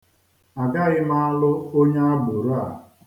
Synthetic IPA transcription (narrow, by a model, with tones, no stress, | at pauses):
a˨ɡa˦ɣɪ˦ma˦a˦lʊ˦o˦ɲe˦a˦bʊ˨ɾa̰˨